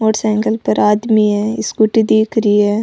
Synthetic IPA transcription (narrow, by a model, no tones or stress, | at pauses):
moːʈsɛ̃ːŋɡəlpɐɾaːd̪miɦɛːɪskʊʈid̪iːkʰɾiɦɛː